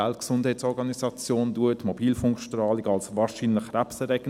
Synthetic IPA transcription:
ɛltksʊnd̥hɛɪtsɔɾɡɑnisɑt͡sjoːnduətmobiːlfʊŋkʃtrɑːliɡɑlsvɑːʃiːnləχrapsəɾɛɡ

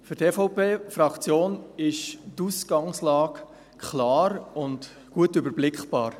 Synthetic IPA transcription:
fʏɾtefɔpeːfɾɑkt͡sjoːnɪʃtusɡ̥ɑŋslɑːk | kʰlɑːɾʊnt | ɡ̥uətʏbəɾblɪkχb̥ɑːɾ

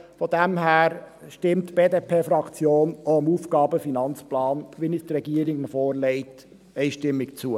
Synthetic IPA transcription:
fɔd̪æmɦæːɾ | ʃtɪmt̪b̥eːdeːpʰeːfɾɑkt͡sjoːnoəmuːfɡ̥ɑːbəfinɑnt͡splɑːnʋinist̪ɾɛɡiəɾɪɡnəfɔːɾlɛɪt | ɛɪʃtɪmːɪkt͡suə

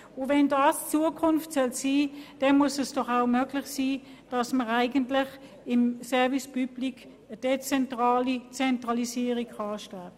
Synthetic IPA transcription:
ʊvɛndɑːst͡suəkʰʊnftsœlsiːd̥ɛnmuəsɛsd̥ɔχaʊmøːɡlɪχsiː | d̥ɑsməʁaɪɡəntlɪχ | ɪmsɛɐvispyblik | əd̥et͡sɛntʁɑːlit͡sɛntʁɑlisiːəʁikχɑːʃtaː

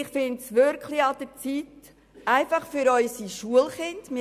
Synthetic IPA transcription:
ɪχfɪntsʋʏɾkʰliɑd̥ət͡sit | æɪfɑχfyɾɔʏsiʃuəlχɪntmɪ

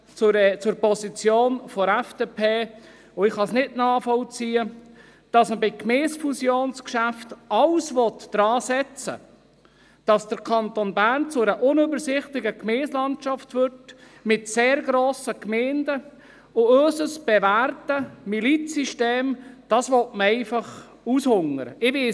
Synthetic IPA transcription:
t͡sʊt͡sʊɾpɔsit͡sjoːnfɔɾɛfd̥eːpʰeː | ʊɪχhɑsnɪtnɑːfɔlt͡siːə | d̥ɑsməbɪkmeːsfusjoːnskʃæftɑwsvɔt̪d̥ɾɑːsɛt͡sə̰ | d̥ɑsd̥əɾkʰɑntonbæːɾnt͡sʊɛɾəʔʊnøbəɾsɪχtɪɡəkmeːslɑntt͡ʃɑftʋʏɾt | mɪtseːɾɡɾoːsəkmɛːndə | ʊøːsəsb̥ɛvæːrtəmilit͡siʃteːmd̥ɑsʋɔtməɛɪfɑχ | ushʊŋəɾə̰ɪvɪ

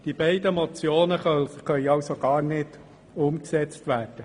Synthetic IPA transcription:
d̥ibɛɪdəmɔt͡sjoːnəχœχœʏɑwsoɡ̥ɑːɾnɪd̥ | ʊmksɛt͡st̪ʋæːrd̥ə

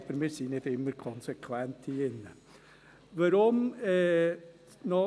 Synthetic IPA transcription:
bəɾmɪːɾsiːnɪtɪmːəɾkʰɔnsekʰwɛnt̪ʰiɪnːə | vaɾʊmɛ | nɔ

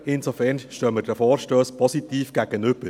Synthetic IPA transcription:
ɪnsofɛɾnʃtøːməd̥ɛfoːɾʃtøːspʰɔsit̪iːfɡ̥æɡ̥ənʏb̥əɾ

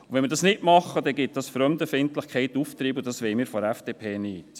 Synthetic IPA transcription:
uʋɛnmɪəɾdɑsnɪtmɑχːəd̥ɛɡɪt̚d̥ɑsfɾœmdəfɪntlɪχkʰɛɪtuft̪ɾiːbʊd̥ɑsʋɛɪmiːɾfɔæfd̥eːpʰeːniːt

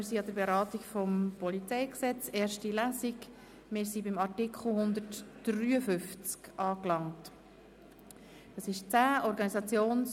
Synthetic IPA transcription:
ɪɾsiɑd̥əɾbeɾɑːtikfɔmpɔlit͡sɛjksɛt͡seːɾʃtilæːzik | mɪːɾsibɪmɑrtikχl̩ˠhʊnd̪əɾtd̥ryːəfʏft͡skʔɑːklɑŋt | d̥ɑsɪʃt͡sæːʔɔɾɡɑnisɑt͡sjoːns

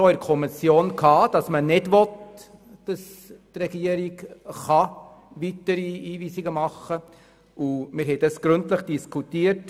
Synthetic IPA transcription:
oɪɾkʰɔmisjoːnkʰɑːd̥ɑsmənɪdʋɔtd̥ɑstrɛɡiəɾiɡχɑ | ʋitəɾiiːviːsiɡəmɑχːə | ʔʊmɪɾɦɛɪd̥ɑsɡ̥ɾʏntləχd̥iskʰutiːəɾt

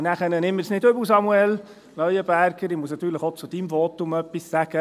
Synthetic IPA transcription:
næχənənɪmːəɾsnɪdɵbus̬ɑmuɛl | nœʏəb̥æɾɡəɾɪmusnɑt̪ːyːɾləχot͡sʊd̥imvɔtʊmœpːissæɡ̥ə

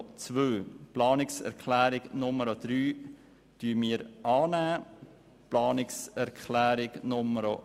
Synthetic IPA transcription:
t͡svʋøːplɑːnɪksɛ̰ɾkχlæːɾɪɡnʊməɾod̪̥ɾyː | tyːəmiːɾɑːnæː | plɑːnɪksɛɾkʰχlæːɾɪɡnʊməɾo

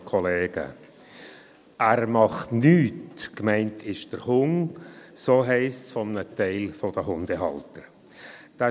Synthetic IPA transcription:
kʰɔleːɡ̥ə̰ | ʔæːɾmɑχtnyːtkmɛɪntʰɪʃd̥əɾhʊŋsoːɦɛɪstsfɔmənətɛɪlfod̥əɦʊndəɦɑ̰ltəɾ | d̥a

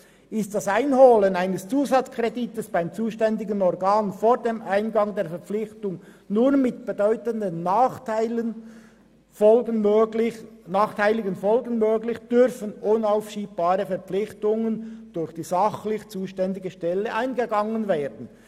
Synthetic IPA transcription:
ɪst̚d̥asaɪnhoːlənaɪnəst͡suːzɑt͡skʁ̥editəsb̥aɪmt͡suːʃtɛndɪɡənɔɾɡaːnfoːɾdeːmʔaɪnɡɑŋdeːɐɾfɛʁp͡flɪçtʊŋ | nuːmɪt̚b̥edɔʏtəndənːaːχtaɪlə | fɔəøɪnaːχtʰaɪlɪɡənfɔlɡənmøːɡlɪçd̥ʏɾfənʔʊnaʊfʃiːb̚b̥aːɾəfɛɐʁpp͡flɪxtʊŋənd̥ʊɾçd̥iːzɑχlɪçt͡suːʃtɛndɪɡəʃtɛlːəʔaɪnɡəɡɑŋənveːɾdn̩

